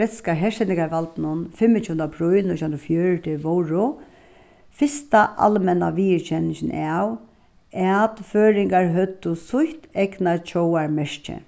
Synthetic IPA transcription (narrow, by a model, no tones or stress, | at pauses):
ɛt̪skaɦɛʂt̪ɛnɪŋkaʋalt̪nʊnfɪmːɪt̪juːnapɾʊjnʊt̪ʰanɾɔfjœːɹt̪ʰɪʋɔwɹʊ | fɪst̪aʔa̰lmɛnaʋiːɪɹt͡ʃʰɛnɪʃɪnaw | ɛt̪føːɾɪŋkaɹɦœt̪ːʊsʊht̪ɛknat͡ʃʰɔwaɹmɛʂt͡ʃɪ̰